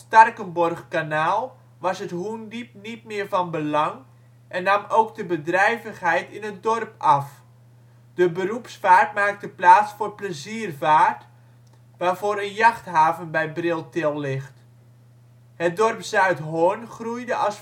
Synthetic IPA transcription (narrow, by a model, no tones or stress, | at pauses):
stɑrkənbɔrχkanaːlˠ | ʋɑsətɦundip̚nit̚mɪːərfɑnbəlɑŋ | ʔɛnːamowkdəbədrɛjvəxhɛjtɪnətdɔrpɑf | d̥əbərupsfaːrtmaːk̚təplaːtsforpləziərvaːrt | ʋaːrvoːɾənjɑxtɦaːvənbɛjbrɪlˠtɪlˠlɪxt | hət̚dɔrpsœɥtɦoənχrujdəʔɑs